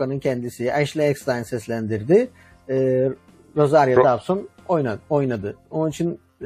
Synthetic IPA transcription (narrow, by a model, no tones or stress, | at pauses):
anɯncʰɛnd̪isiʔɛʃlʲɛɛksd̪ajnsɛslʲænd̪iɾd̪ɪ | ɛː | ɾo̞zaɾjad̪absonojnao̞jnad̪ɯo̞nunit͡ʃʰin